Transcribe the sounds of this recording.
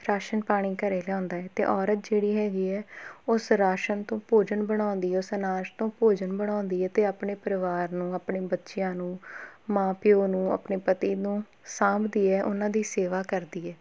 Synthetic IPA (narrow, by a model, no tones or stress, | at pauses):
ɾaːʃənpaːɽ̃iːkəɾeːlɛɔ̃ːnd̪aːɛːt̪ḛːʔɔːɾət̪̚d͡ʒeːɽiːɦɛːɡiːɛːʊsɾaːʃənt̪õːpoːd͡ʒənbəɽ̃ãːnd̪iːɛːʊsənaːd͡ʒt̪õːpoːd͡ʒənbəɽ̃ãːnd̪iːɛːt̪eːaːpɳeːpəɾəʋaːɾnũːaːpɳeːbətːʃɪjãːnũːmãːpɪjoːnũːa̰pneːpət̪iːnũː | sãːbd̪iːɛːʔʊnãːd̪iːseːʋaːkəɾd̪iːɛː